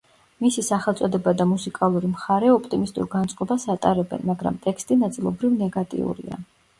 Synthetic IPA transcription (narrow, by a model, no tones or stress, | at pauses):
misisaχɛlˠt̪sʼɔd̪ɛbad̪amusikʼalˠuɾimχaɾɛɔpʰt̪ʼimist̪ʼṵɾɡant̪sʼqʼɔbasat̪ʼaɾɛbɛ̰nmaɡɾa̰mt̪ʼɛkʰst̪ʼinat̪sʼilˠɔbɾivnɛɡat̪ʼḭṵɾḭa̰